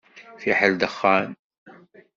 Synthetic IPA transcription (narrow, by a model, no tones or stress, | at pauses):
fiħald̪əxːaːn